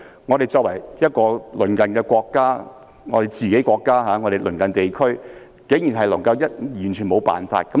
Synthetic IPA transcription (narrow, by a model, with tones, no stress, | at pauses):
ŋɔ˨˧ɾe˨jt͡sɔː˧kwɐ˨˩jjɐ˥t̚kɔː˧lɵ˨˩nkɐ˨nkɛː˧kʷɔː˧kːaː˥ | ŋɔ̰ː˨˧ɾe˨˩jt͡siː˨˧ke˨˥kʷɔː˧kːaː˥ɦaː˨˧ŋɔ˨˧ɾe˨˩lɵ˨˩nkɐ˨nt̪e˨jkʰɵ˥ɥ | ke˨˥jy˨˩nɦɐ˨jlɐ˨˩ŋkɐ˧wjɐ˥t̚jyː˨˩nt͡ʃʰyː˨˩mo˨˧wpa̰ː˨nfa̰ː˧t̚kɐ˨˦˥